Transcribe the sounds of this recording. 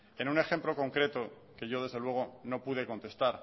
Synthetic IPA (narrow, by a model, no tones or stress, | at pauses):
e̞nune̞xe̞mplo̞ko̞ŋkɾe̞t̪o̞ | ke̞ʝo̞ð̞e̞zðe̞lwe̞ɣ̞o̞no̞puð̞e̞ko̞nt̪e̞st̪aɾ